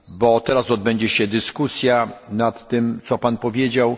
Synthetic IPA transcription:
bɔt̪ɛɾasɔd̪̚bɛɲd͡ʑɛɕɛd̪ɘskusʲjanat̪ːɘmt̪sɔpanpɔvʲjed͡ʑaw

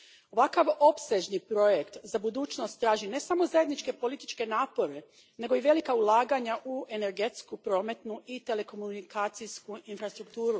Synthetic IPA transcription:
o̞ʋakaʋo̞pse̞ʒnipɾo̞je̞kt̪zabud̪uːt͡ʃno̞st̪ːɾaːʒine̞samo̞zajed̪nit͡ʃke̞po̞lit̪i̥t͡ʃke̞naːpo̞ɾe̞ | ne̞ɡo̞iʋe̞likaulˠaːɡaɲaʔue̞ne̞ɾɡe̞t̪skupɾo̞ːme̞t̪nuʔit̪e̞le̞ko̞munikaːt̪siskuinfɾast̪ɾuk̚t̪uːɾu

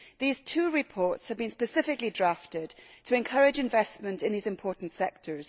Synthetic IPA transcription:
ðiz̥tʰʉːɹɪpʰɔɹtshəvbĩnspəsɪfɪklidɹaftɪd̚tʰəɛ̃nkʰʌɹɪd͡ʒɪ̃ɱvɛsmə̃ntɪ̃nðiːzɪ̃mpʰɔɹʔn̩tsɛk̚tʰə˞z̥

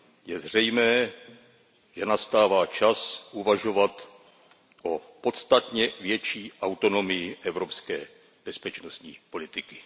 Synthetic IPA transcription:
jɛzr̝ɛjmɛː | ʒ̥ɛnast̪aːvaːt͡ʃasʔuvaʒo̞vat̪ | ʔopo̞t̪st̪at̪ɲɛvjɛt͡ʃiːʔawt̪o̞no̞mɪjɪʔɛvɾo̞pskɛː | b̥ɛspɛt͡ʃnost̪ɲḭːpo̞lɪt̪ɪkɪ̥

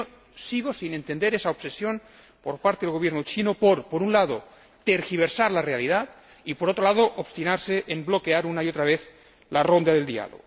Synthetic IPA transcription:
o | siɣ̞osine̞nt̪end̪eɾesaopsesjon | poɾpaɾt̪eðelɣoβjeɾnot͡ʃinopoɾpoɾunlaðo | t̪eɾxiβ̞eɾsaɾlarealiðat̪ | ipoɾot̪ɾolaðoʔopst̪inaɾseʔemblo̞keaɾunaiot̪ɾaβeθ | larond̪aðe̞ld̪ia̰lo̰ɣo

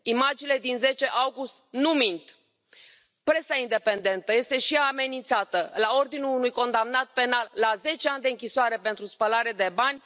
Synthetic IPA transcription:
imad͡ʒile̞d̪inze̞t͡ʃe̞ʔawɡust̪numint̪ | pɾe̞saind̪e̞pe̞nd̪e̞nt̪əje̞st̪eʃijaːme̞nint̪sat̪əlao̞rd̪inulunujko̞nd̪amnat̪̚pe̞nalːaze̞t͡ʃeanʲd̪e̞ɨŋkʲisoaɾe̞pe̞nt̪ɾuspəlaɾe̞d̪e̞banʲ

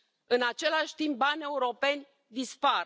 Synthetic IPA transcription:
ɨnat͡ʃe̞laʃʲt̪imp̚banʲe̞uɾo̞pe̞nʲ | d̪ispaɾ

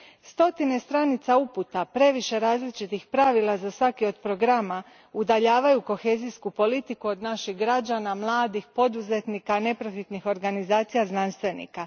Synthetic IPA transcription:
st̪o̞t̪ine̞st̪ɾanit̪sauput̪apɾe̞ʋiʃe̞ɾaːzlit͡ʃit̪ixpɾaʋilˠazasʋakio̞d̪pɾo̞ɡɾama | ud̪aʎaːʋajuko̞xe̞ːzijskupo̞lit̪ikuo̞d̪naʃiɣɡɾad͡ʑanamlˠaːd̪ixpo̞d̪uze̞t̪nikane̞pɾofit̪nixo̞ɾɡanizaːt̪sijaznanst̪ʋe̞nḭka

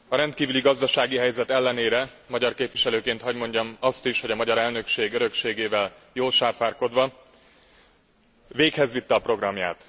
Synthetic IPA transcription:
ɒɾɛnt̪̚kiːvyliɡɒzd̪ɒʃaːɡiɦɛjzɛt̪ɛlːɛneːɾɛ | mɒɟɒrkeːpʋiʃɛløːkeːnt̪hɒɟmo̞ɲɟɒmɒst̪iʃho̞ɟɒmɒɟɒɾɛlnø̞kʃeːɡøɾø̞kʃeːɡeːvɛljoːlʃaːfaːrko̞d̪ʋɒ | veːkhɛzʋit̪ːɛːpro̞ɡrɒmja̰ːt̪

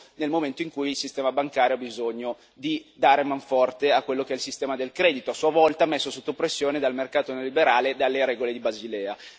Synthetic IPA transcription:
nelmoment̪oiŋkujilsist̪ɛːmabaŋkaːɾjoabizoɲːo | d̪id̪aːɾemaɱfɔrt̪eakwelːok̟eɛilsist̪ɛːmad̪elkɾɛːd̪it̪oasːuavɔlt̪amesːosot̪ːopɾesːjoːned̪almerkaːt̪oneolibeɾaːled̪alːeɾɛːɡoled̪ibazilɛːa

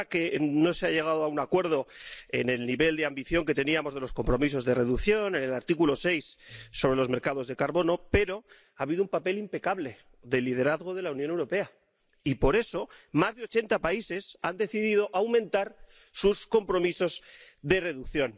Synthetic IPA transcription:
ke̞no̞seaʝe̞ɣ̞aðoaunakwe̞ɾð̞o̞e̞ne̞lniβe̞ld̪eambiθjo̞ŋke̞t̪e̞niamo̞zð̞e̞lo̞sko̞mpɾo̞mis̬o̞zðe̞re̞ðukθjo̞ne̞ne̞laɾt̪ikulo̞se̞jsːo̞βɾe̞lo̞zmeɾkað̞o̞zðe̞kaɾβo̞no̞pe̞ɾo̞ | aβiðoumpape̞limpe̞kaβle̞ | ðe̞lið̞e̞ɾaðɣo̞ð̞e̞launjone̞wɾo̞pe̞a | ipo̞ɾe̞so̞mazðeo̞t͡ʃe̞nt̪apaise̞sand̪e̞θiðið̞o̞ʔawmẽnt̪aɾ | susko̞mpɾo̞miso̞zðe̞re̞ðukθjo̞n

